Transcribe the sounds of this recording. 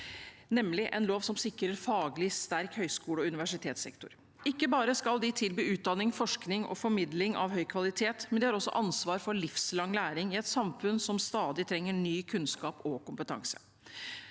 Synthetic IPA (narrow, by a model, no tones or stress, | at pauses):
nɛmlɪʔɛnloːʋsɔmsɪkɾəɾfɑːɡlɪst̪æɾkhœʏskuːləɔʉnɪʋæʂɪt̪ʰeːt̪sɛ̰kt̪ʊ̰ɾ | ɪkːəbɑːɾəskɑld̪ɪt̪ʰɪlbyːʉːt̪̚d̪ɑnːɪŋfɔʂknɪŋɔ̰fɔɾmɪd̪lɪŋɑ̰ʋɦœʏkʰʋɑlɪt̪ʰeːt̪mɛnd̪ɛhɑɾɔsːɔ̰ʔɑnsʋɑːɾfɔɭɪfslɑŋlæːɾɪŋɪɛt̪sɑmfʉnsɔmst̪ɑːd̪ɪt̪ʰɾɛŋːəɳyːkʰʉnskɑːpɔkʊmpət̪ʰɑ̰ŋsə̥̰